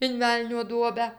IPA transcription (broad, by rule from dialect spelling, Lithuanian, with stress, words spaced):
ɪn ˈʋʲɛlʲnʲoː ˈduɔbʲæː